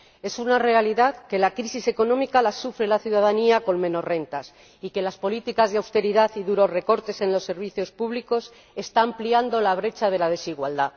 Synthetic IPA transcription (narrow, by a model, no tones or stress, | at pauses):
e̞sunare̞aliðaðke̞lakɾisise̞ko̞nõ̞mikalasufɾelaθjuðaðaniako̞nmeno̞zre̞nt̪as | ike̞laspo̞lit̪ikazðeawst̪e̞ɾiðaθiðuɾo̞zreko̞ɾt̪e̞se̞nlo̞sːe̞ɾβiθjo̞spuβliko̞s | e̞st̪aːmpliand̪o̞laβɾe̞t͡ʃað̞e̞lað̞e̞siɣwald̪a